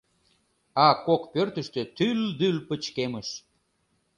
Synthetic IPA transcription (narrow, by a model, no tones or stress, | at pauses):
ɑkokpørt̪əʃt̪øt̪yld̪ylpət͡ɕkeməʃ